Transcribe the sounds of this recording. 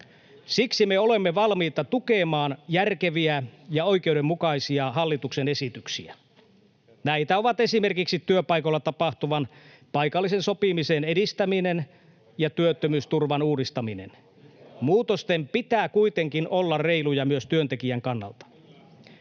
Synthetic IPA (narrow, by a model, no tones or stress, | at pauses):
siksimeo̞lemːeʋɑlmiːt̪ɑt̪ukeːmɑːnjærkeʋiæjɑo̞jk̟euwdemːukɑisiɑɦɑlːit̪uksenesit̪yksiæ | næit̪æoʋɑt̪esimerkiksit̪ːyøpɑikolːɑt̪ɑpɑht̪uʋɑn | pɑijkɑlːisenso̞pimisenedist̪æminen | jɑt̪yøt̪ːømyːst̪urʋɑnuːdist̪ɑminḛn | muːt̪ost̪empit̪æːkuit̪eŋkinʔolːɑrreilujɑmyøst̪yønt̪ekiæŋkɑnːɑ̰lt̪ɑ̥